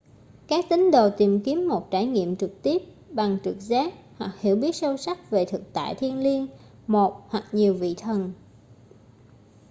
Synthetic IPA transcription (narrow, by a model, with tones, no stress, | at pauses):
kaː˦˥k̚t̪ï˨˦ŋ̟ɗo̰˧˨t̪i˨˩mki˨˦əmːo˨˩t̚t͡ɕaː˧˩jŋḭ˧˨əmt͡ɕɨ˨˩k̚t̪i˦˥əp̚ | ɓa˨˩ŋt͡ɕɨ˨˩k̚zaː˦˥k̚hwa˨˩k̚hḭ˧˩əwɓi˦˥ət̚sə˧wsa˦˥k̚ve˨˩t̪ʰɨ˨˩k̚t̪a̰ː˧˨jt̪ʰi˧ənli˧ən | mo˨˩t̚hwa˨˩k̚ɲi˨˩əwvḭ˧˨t̪ʰə˨˩n